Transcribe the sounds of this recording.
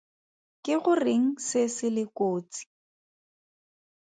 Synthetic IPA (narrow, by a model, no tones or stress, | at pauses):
kɪɣʊrɪŋ̩sɪsɪlɪkoːt͡si̥